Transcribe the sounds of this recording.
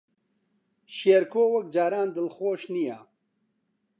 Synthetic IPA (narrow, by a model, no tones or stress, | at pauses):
ʃeːɾkʰoːwɐk̚d͡ʒaːɾaːnd̪ɨlxoːʃnija